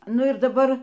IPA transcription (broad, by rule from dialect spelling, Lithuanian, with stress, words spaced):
ˈnʊ ɪr dɐˈbɐr